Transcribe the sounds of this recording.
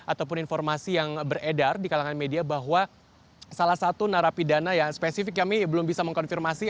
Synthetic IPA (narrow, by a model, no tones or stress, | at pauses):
ʔat̪awpʊninfɔrmasijaŋbəredardikalaŋanmediabaɦwa | salahsat̪unaɾapidanajaspesifɪkjamibəlʊmbisaməŋkɔnfirmasi